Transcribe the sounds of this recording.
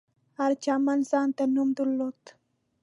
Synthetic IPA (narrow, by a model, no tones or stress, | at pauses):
aɾt͡ʃamansant̪anumd̪ulːot̪